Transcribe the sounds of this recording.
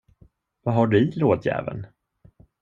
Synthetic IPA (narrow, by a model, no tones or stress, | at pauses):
vaɦaɖɵɪloːd̪jæ̰ːvə̰n